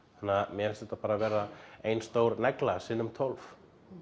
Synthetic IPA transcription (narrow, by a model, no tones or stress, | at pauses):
θanːamjɛɛlsɛt̪ːapaːɾavɛːɾːaejnst̪oːwɾnɛklasɪnːʏmt̪ʰɔlf